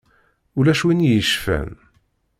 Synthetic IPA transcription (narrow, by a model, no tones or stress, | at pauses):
ʊlæʃwinjəʃfæ̰n